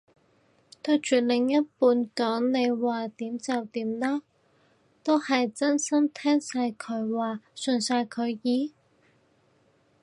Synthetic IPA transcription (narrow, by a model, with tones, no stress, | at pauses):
t̪ɵ˧ɥt͡ʃyː˨˩lɪ˨ŋjɐ˥t̚puː˨˧nkɔː˨˥ŋne˨˧jwaː˨˩t̪iː˨˥mt͡sɐ˨wt̪iː˨˥mlaː˥ | t̪o˥whɐ˨jt͡sɐ˥nsɐ˥mt̪ʰɛː˥ŋsaː˧jkʰɵ˨˧˥ɥwaː˨sɵ˨nsaː˧jkʰɵ˨˧ɥjiː˨˧˥